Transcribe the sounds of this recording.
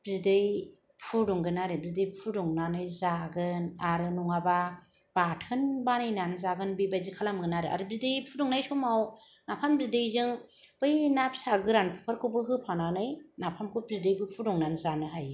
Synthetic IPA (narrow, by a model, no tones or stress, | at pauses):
b̥zidɯj | pʰudɔŋɡɯnaɾɯbzidɯjpʰudɔŋnanɯjzaɡɯnaɾɯnuŋaba | b̥atʰɯnbanɯjnanɯzaɡɯnbɯjbazikʰalamɡɯnaɾɯa̰ɾɯbidɯjpʰudɔŋnajsɔmaw | napʰambzidɯjzɯŋ | b̥ɯjnap̚saɡɯɾanpʰu̥kʰaɾkʰɯbɯɦɯpʰananɯjnapʰamkʰɯbidɯjbɯpʰudɔŋnanzanɯɦaj